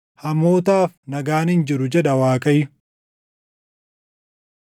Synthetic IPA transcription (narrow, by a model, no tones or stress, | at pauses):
hɐmo̞ːt̪aːfnɐɡaːnɪnd͡ʒɪɾʊd͡ʒɛᶑɐwaːkʼɐjʊ